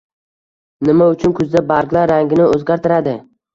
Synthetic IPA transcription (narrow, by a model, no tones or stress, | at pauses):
nɪmaʊt͡ʃʰʊnkʰʊzd̪abaɾqlaɾːaŋɡʲɪnɪʔozɡʲaɾt̪ʰɪɾad̪ɪ